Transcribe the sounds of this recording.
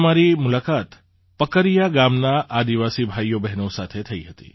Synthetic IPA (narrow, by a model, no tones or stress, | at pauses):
maɾimulakat̪ | pəkəɾijaɡamnaʔad̪iʋasibʱajobɛɦnosat̪ʰet̪ʰəiɦət̪ḭ